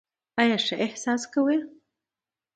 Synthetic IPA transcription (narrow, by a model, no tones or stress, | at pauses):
ɑjɑʂaʔɪhsɑskawe